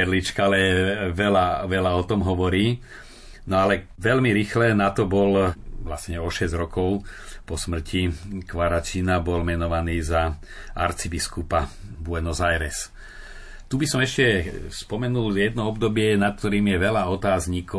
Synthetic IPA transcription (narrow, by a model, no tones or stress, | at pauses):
ɛɾlit͡ʃkaalɛʋɛlaʋɛlaɔt̪ɔmɦɔʋɔɾiː | nɔalɛʋɛlmiɾixlɛnat̪ɔbɔlʋlasɲɛɔʃɛzɟɾɔkɔʊpɔsmr̩cikʋaɾat͡ʃinabɔlmɛnɔʋaniːza | a̰ɾt͡sibiskupa | bʊɛnɔzajɾɛs | t̪ubisɔmɛʃcɛspɔmɛnuljɛd̪nɔɔb̚d̪ɔbɪɛnat̪̚k̚t̪ɔɾiːmjɛʋɛlaɔt̪aːzɲikɔ